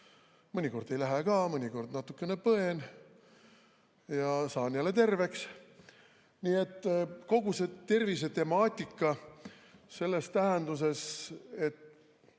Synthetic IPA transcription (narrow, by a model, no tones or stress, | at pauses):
mɤnʲiko̞rd̪e̞jlæɦekɑːmɤnʲiko̞rd̪nɑt̪ːˑukːe̞ne̞pɤe̞n | jɑsɑːnjælːet̪e̞rve̞ks | niːet̪ːko̞ɡuse̞t̪e̞rvis̬e̞t̪e̞mɑːt̪ʲːikːɑ | se̞lːe̞st̪æɦend̪us̬e̞se̞t̪ː